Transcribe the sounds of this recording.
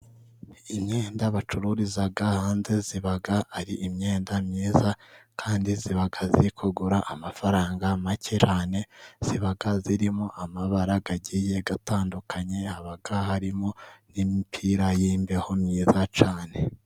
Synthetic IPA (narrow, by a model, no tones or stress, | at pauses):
imɲeːndaβat͡ʃuɾuɾizaɡahaːnze̞ziβaɡaːɾiʔimɲe̞ːndamɲiːzakʰaːndiziβaɡaziikʰoɡuɾaʔamafaɾaːŋɡamaceɾane̞z̥iβaɡaziɾimoʔamaβaɾaɡaɟije̞ɡataːndukʰaɲe̞haβaɡahaɾimo̞nimipʰiɾajiːmbeho̞mɲiːzat͡ʃaːne̞